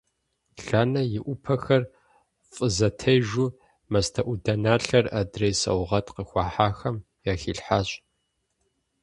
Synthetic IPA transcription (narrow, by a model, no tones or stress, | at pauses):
ɬaːnɐjɪʔʷʊpʰɐxɐr | fʼəzɐtʰɐjʒuː | mɐstʰɐʔʷʊdɐnaːɬɐra̰ːdreːsɐ̰wʁɐtqəxʷɑːħaːxɐm | jaːxiːɬħaːɕʼ